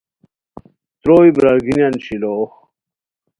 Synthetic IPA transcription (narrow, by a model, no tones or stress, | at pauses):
t̪ɾoːjbɾɐɾɡinjɐnɕiloːx